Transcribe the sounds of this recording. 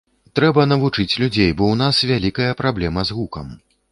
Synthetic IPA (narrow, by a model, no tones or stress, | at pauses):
t̪ɾɛbɐnɐvut͡ʂɨt͡sʲlʲud͡zʲejbɔwn̪asvʲalʲikɐjɐpɾablʲɛmɐzɣukɐm